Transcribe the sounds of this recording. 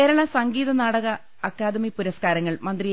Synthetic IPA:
eːɾɐɭɐsɐŋɡiːðɐnaːɽɐɣɐ | ɐkːaːd̪ɐmipuɾɐskaːɾɐŋːɐɭmɐnd̪rij

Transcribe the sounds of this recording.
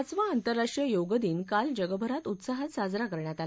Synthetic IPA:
t͡sʋaːnt̪əɾːaʂʈijəjoɡəd̪iːnkald͡ʑəɡəbʱəɾat̪ut̪saɦət̪sad͡zɾakəɾɳjat̪al

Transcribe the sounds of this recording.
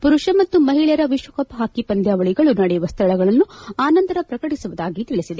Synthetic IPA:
puɾuʂɐmɐt̪ːumɐɦiɭɐjɾɐʋiʃʋɐkɐpɦaːkipɐnd̪ʱjaːʋɐɭiɡɐɭunɐɽɛjuʋɐst̪ʰɐɭɐɡɐɭɐnːuaːnɐnt̪ɐɾɐpɾɐkɐʈisuʋud̪aːɡit̪iɭisid̪e

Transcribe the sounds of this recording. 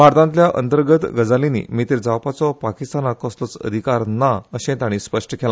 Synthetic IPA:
mʱaɾt̪ãnt̪ljaʔə̰nt̪əɾɡət̪ɡəd͡zalinḭmit̪iɾd͡zawpat͡sɔpakist̪anakɔst̪ot͡sə̰d̪ʱikaɾnaəɕẽt̪aɽ̃ispəʂʈəkʰɛla

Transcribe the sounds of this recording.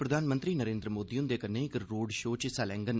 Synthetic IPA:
pɾəd̪ʱaːnmənt̪ɾiːnəɾẽːnd̪ɾəmoːd̪iːʊnd̪eːkənːeːɪkɾoːɖʃoːt͡ʃsaːlɛ̃ːŋɡən

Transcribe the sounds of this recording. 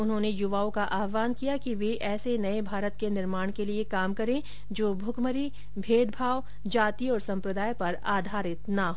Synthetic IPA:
ʊnɦõːnejʊʋaːõkaʔaːɦʋaːnkijakiʋeʔɛːsenɐebʱaːɾət̪kenɪɾmaːɽ̃keliekaːmkɐɾẽ | d͡ʒoːbʱʊɡməɾi | bʱeːd̪bʱaːʋw | d͡ʒaːt̪iɔːɾsɐ̃mpɾəd̪aːjpɐɾaːd̪ʱaːɾɪt̪naɦoː

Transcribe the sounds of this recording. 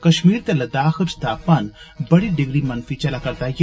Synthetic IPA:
kɐʃmiːɾt̪ɐlɐd̪aːxɨt͡ʃt̪aːpɐn | bɐɽiɖɪɡɾimɐnfit͡ʃɐlakɐɾt̪aːje

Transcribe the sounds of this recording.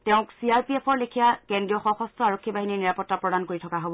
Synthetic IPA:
tɛʊ̃ksiaɹpiepʰɔɹlekʰijakendɹijɔxɔ̃xɔstʰɔaɹokʰːibaɦininiɹapɔtːapɹɔdankoɹitʰɔkaɦobɔ

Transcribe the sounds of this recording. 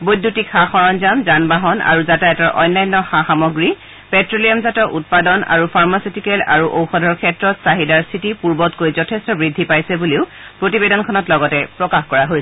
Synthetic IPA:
bojdʱːutikxaxɔɹɔnzamzanbaɦɔna̰ɹuzataɛtɔɹʔɔ̰jnːajnːɔxaxamɔɡɹi | pɛtɹolijɔmzatɔʔut̚padɔna̰ɹupʰaɹmasitikɛla̰ɹuʔowxɔdʱɔɹkʰɛtɹɔtsaɦidaɹsitipuɹbɔtkoɹizɔtʰestɔbɹidʱːipajsɛbuliʊ | pɹotibedɔnkʰɔnɔtlɔɡɔtɛpɹɔkaxkɔɹaɦojsɛ

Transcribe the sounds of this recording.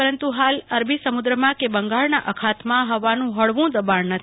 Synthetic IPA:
əɾənt̪uɦaləɾbʱisəmud̪ɾəmãkebəŋɡaɭnaʔəkʰat̪mãɦəʋanũɦəɭʋũd̪əbannət̪ʰ

